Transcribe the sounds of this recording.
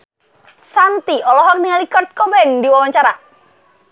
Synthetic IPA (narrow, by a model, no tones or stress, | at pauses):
sant̪iʔɔlɔɦɔk̚niŋalikɔrt̪̚kɔmɛndiwawaɲt͡ʃaɾa